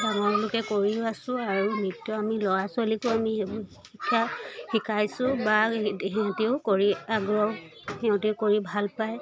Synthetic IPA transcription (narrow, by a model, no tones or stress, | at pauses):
daŋɔɹlʊkɛkoɹiasʊ̃aɹumitːɔamilɔɹasʊalikʊami | xikʰːaxikʰajsʊ̃baɦɛ̃tiʊkoɹiaɡɹɔw | hɛʊ̃tiʊkoɹibʱalpaj